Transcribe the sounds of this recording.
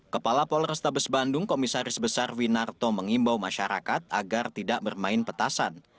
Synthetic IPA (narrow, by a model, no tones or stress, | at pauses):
kəpalapɔlrəst̪abəsbandʊŋkomisaɾɪsbəsarwinart̪oməŋimbawmaʃaɾa̰kat̪̚a̰ɡart̪idaʔ̚bərmaɪnpət̪asan